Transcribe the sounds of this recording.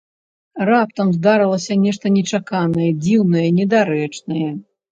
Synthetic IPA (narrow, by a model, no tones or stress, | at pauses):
rap̚t̪ɐmzd̪aɾɨlˠɐsʲɐnʲɛʂt̪ɐnʲɛt͡ʂakanɐjɛd͡zʲiwnɐjɛnʲɛd̪aɾɛt͡ʂnɐjɛ